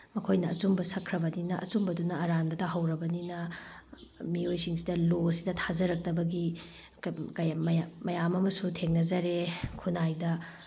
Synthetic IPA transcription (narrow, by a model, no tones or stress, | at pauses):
mɐkʰojnɐːt͡ʃumbɐsɐkʰɾɐbɐninɐʔɐ̰t͡ʃumbɐdunɐːɾanbɐtɐɦɐwɾɐbɐninɐ | miojsiŋsidɐlosidɐtʰazɐɾɐk̚tɐbɐɡi | kɐjmjmɐjamɐmɐsutʰeŋnɐzɐɾekʰunajdɐ